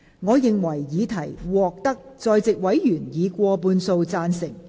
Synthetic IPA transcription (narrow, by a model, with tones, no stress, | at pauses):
ŋɔː˨˧jɪ˨ŋwɐ˨˩jːiː˨˧t̪ʰɐ˨˩jwɔː˨k̚t̪ɐ˥k̚t͡sɔː˧jt͡sɪ˨k̚wɐ˨˥jjyː˨˩njiː˨˧kʷɔː˧puː˧nso˧wt͡saː˧nsɪ˨˩ŋ